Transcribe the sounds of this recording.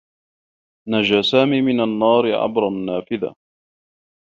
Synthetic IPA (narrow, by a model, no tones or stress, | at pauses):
nad͡ʒaːsaːmiːmɪnanːɑːɾɪʕa̰bɾˤɑnːaːfɪða̰